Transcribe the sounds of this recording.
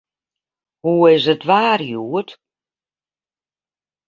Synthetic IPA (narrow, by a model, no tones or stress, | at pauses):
huɪzətvaːrjuət